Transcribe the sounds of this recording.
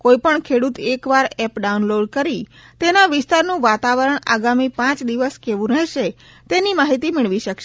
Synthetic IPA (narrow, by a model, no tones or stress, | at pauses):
koipəɳkʰeɽut̪ekʋaɾɛpɖaunloɖkəɾi | t̪enaʋɪst̪aɾnũʋat̪aʋəɾəɳaɡamipãt͡ʃd̪iʋəskeʋũnəɦʃe | t̪enimaɦit̪imɪɭʋiʃəkʃe